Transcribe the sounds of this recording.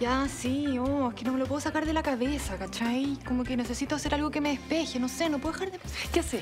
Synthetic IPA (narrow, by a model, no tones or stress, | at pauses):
jasioekenome̞lopwe̞ðosakaɾðe̞lakaβesakat͡ʃajkomokenesesit̪oase̞ɾalɣokeme̞ðehpeçenosenopwexaɾðepkeaseɾ